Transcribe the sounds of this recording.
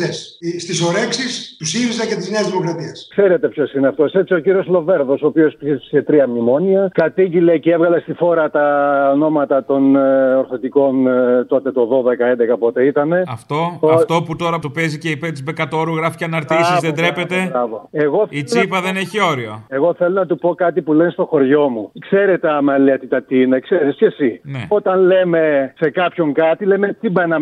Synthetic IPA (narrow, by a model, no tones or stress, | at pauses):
esst̪isoɾeksist̪usiɾizɐcet̪izneɐzðimo̞kɾɐt̪iɐskseɾe̞t̪e̞pço̞sineɐft̪ose̞t͡sio̞ciɾio̞slo̞ve̞ɾðo̞soːpio̞spiesset̪ɾiɐmimo̞niɐkɐt̪iɟile̞ceevɣɐle̞st̪ifo̞ɾɐt̪ɐono̞mɐt̪ɐt̪o̞noɾθo̞t̪iko̞nt̪o̞t̪e̞t̪o̞ðo̞ðekɐend̪ekɐpo̞t̪e̞it̪ɐne̞ɐft̪o̞ɐft̪o̞put̪o̞ɾɐt̪opeziceipet̪izbekɐt̪o̞ɾuɣɾɐfi̥ceɐnɐɾt̪isizðed̪ɾepe̞t̪e̞ɾɐvoeɣoit͡sipɐðeneçio̞ɾioeɣo̞θe̞lonɐt̪upo̞kɐt̪ipulenst̪o̞xo̞ɾʝo̞mukseɾe̞t̪eɐmɐleɐt̪it̪ɐt̪iine̞kseɾisce̞sinḛo̞t̪ɐnle̞me̞se̞kɐpço̞ŋkɐt̪ile̞met̪ibenɐ